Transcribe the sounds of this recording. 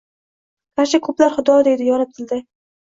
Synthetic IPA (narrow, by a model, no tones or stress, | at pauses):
kʰʲaɾʃɪkʰɵplaɾχʊd̪ɒd̪e̞d̪ɪjɒnɪp̚t̪ʰɪld̪ɪ